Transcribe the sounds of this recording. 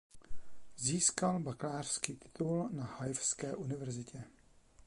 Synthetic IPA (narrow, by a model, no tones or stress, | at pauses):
ziːskalbaklaːr̥skiːt̪ɪ̥t̪ulnahajfskɛːʔunɪvɛɾzɪcɛ